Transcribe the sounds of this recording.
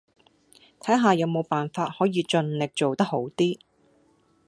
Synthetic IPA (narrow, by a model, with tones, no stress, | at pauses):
t̪ʰɐ˨˥jɦaː˨˧jɐ˨˧wmo˨˧wpaː˨nfaː˧t̚hɔː˨˥jiː˨˧t͡ʃɵ˧nlɪ˨k̚t͡so˨wt̪ɐ˥k̚ho˨˥wt̪iː˥